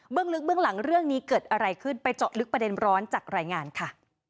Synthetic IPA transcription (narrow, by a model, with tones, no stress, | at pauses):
bɯ˥əŋlɯ˦˥k̚bɯ˥˩əŋla˩˦ŋɾɯ˥˩əŋniː˦˥kɤː˨˩t̪̚ʔa˧ɾa˧jkʰɯ˥˩npa˧jt͡ɕɔ˨˩t̪̚lɯ˦˥k̚pɾa˧de˧nɾɔː˦˥nt͡ɕaː˨˩k̚ɾaː˧jŋaː˧nkʰa˥˩